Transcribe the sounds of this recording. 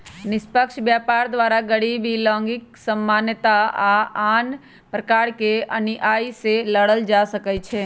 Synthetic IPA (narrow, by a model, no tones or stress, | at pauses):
nɪspəkʃbjaːpaːɾd̪ʋaːɾaɡəɽiːbilɔ̃ːŋɡɪksəmːaːnjət̪aaaːn | pɾəkaːɾkeɐniʔaːiseləɽəld͡ʒaːsəkɛt͡ʃʰeː